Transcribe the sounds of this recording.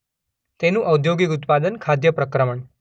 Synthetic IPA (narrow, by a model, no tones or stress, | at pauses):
t̪enũʔəud̪joɡik̬ut̪pad̪ənkʰad̪jəpɾəkɾəməɳ